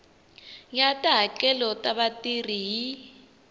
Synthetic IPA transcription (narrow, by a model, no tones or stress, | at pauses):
ŋatʼaɦakʼɛlɔtʼaβatʼiriji